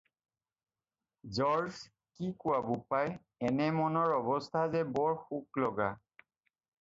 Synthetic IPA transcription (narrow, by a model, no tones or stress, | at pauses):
zɔɹs | kikʊwabʊpaj | ɛnɛmɔnɔɹɔbɔst̪ʰazɛbɔɹxuklɔɡa̰